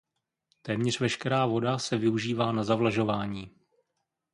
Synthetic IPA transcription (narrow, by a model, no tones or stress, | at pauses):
t̪ɛːmɲɛr̝vɛʃkɛɾaːvo̞dasɛvɪuʒiːvaːnazavlaʒo̞vaːɲiː